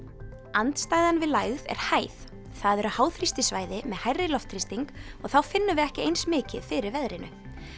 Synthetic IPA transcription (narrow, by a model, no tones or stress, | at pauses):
ant̪st̪aːjðanvɪðlajɣðɛ̰ɾ̥haːjθ | θaðɛɾʏhaːwθɾist̪ɪsvaːjðɪmɛðhajrːɪlɔft̪ʰɾist̪iŋkɔɣθawfɪnːʏvɪɛhcɪejnsmɪːcɪ̰ðfɪɾɪɾvɛðɾɪnʏ̰